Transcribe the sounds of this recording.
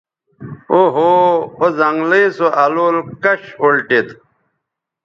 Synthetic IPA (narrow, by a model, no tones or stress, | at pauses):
oɦoːzɐŋɡleːsoʔɐloːlkɐɕolʈet̪